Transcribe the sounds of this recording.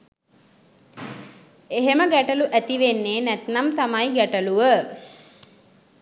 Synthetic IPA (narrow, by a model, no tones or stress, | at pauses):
eɦeməɡæʈəluʔæt̪iʋenːeːnæt̪namt̪amajɡæʈəluʋə